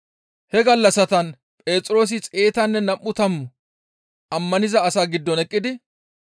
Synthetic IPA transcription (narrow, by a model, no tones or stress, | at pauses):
hɛɡɐlːɐsɐt̪ɐn | pʼe̞ːt͡sʼɾo̞ːs̬ɪt͡sʼe̞ːt̪ɐnːɛnɐmːʊt̪ɐmːʊ | ʔɐmːɐnɪzɐːsaːɡɪd̪ːɔnɛkʼːɪd̪ɪ